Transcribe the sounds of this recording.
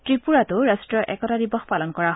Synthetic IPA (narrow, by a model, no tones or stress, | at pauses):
tɹipuɹatʊɹastɹɔʔɛ̰kɔtadibɔxpalɔnkɔɹaɦ